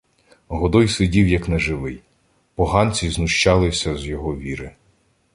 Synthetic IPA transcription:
ɦɔd̪ɔjsɪdʲiwjɐknɛʒɪʋɪj | pɔɦɑnʲt͡sʲiznʊʃt͡ʃɑlˠɪsʲɐzjɔɦɔʋʲiɾɪ

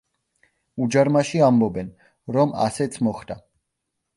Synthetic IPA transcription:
ud͡ʒaɾmaʃiambɔbɛn | ɾɔma̰sɛt̪sʰmɔχd̪a

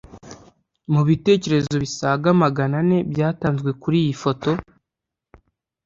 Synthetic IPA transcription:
muβite̞ːce̞ɾe̞zo̞βisaːɡamaɡanane̞bjaːtaːnzɡwe̞kuɾiːjifo̞to̞

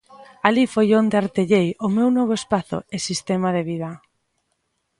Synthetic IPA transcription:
alifojond̪eaɾt̪eʎejʊmewnɔβ̞oespaθʊ̰esist̪emað̞eβ̞ið̞ɐ

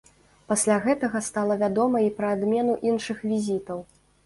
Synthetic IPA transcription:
pasʲlʲaɣɛt̪ɐɣɐst̪alˠɐvʲad̪ɔmɐipɾɐːd̪mʲɛnuʔinʂɨxvʲizʲit̪ɐw

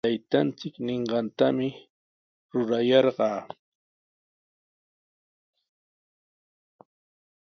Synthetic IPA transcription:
ajt̪ant͡sɪkneɴɢɑnt̪amɪ | ɾʊɾajɑɾɢɑː

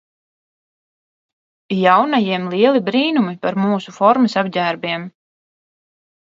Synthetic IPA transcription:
jawnajiɛmlˠiɛlˠibɾiːnumipaɾmuːsufɔɾmɨsabɟʲæːɾbʲiɛm

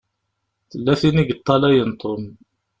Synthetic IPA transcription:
θəlːæθiniɡət̪ˤːɑlæjənt̪ˤon

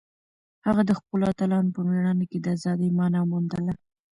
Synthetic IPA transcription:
haɣad̪əxpəlat̪alɑnpəmaɽɑneked̪əazɑd̪ijmɑnamund̪əla

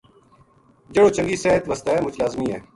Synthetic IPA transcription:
d͡ʒeːɽoːt͡ʃə̃ŋɡiːseːɦət̪ʋəst̪aːɛːmʊt͡ʃʰlaːzmiːɛː

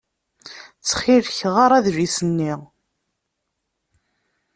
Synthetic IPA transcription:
t͡sːχiɾçʁaɾˤæðʒisənːiʁ

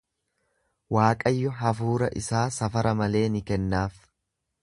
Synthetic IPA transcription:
waːkʼɐjːʊɦɐfuːɾɐ̰ʔɪ̰saːsɐfɐɾɐmɐle̞ːnɪkɛnːaːf

